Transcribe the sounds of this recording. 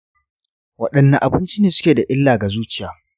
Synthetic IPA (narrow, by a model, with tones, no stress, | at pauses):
wɐ˦˨ɗɐ˨nːɐ˨ʔa˨bɪ˦nt͡ʃi˦neː˨sʊ̥˦kʲeː˨da˨ʔɪ˦lːaː˨ɡa˨zuː˦t͡ʃɪ˦jaː˨